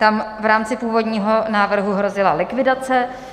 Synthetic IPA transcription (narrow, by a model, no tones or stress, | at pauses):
t̪amvɾaːmt͡sɪpuːvo̞dɲiːɦo̞naːvr̩ɦuɦɾo̞zɪlalɪkvɪdat͡sɛ